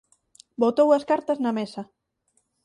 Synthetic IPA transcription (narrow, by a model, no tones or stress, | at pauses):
bot̪owɐskaɾt̪ɐznɐmesɐ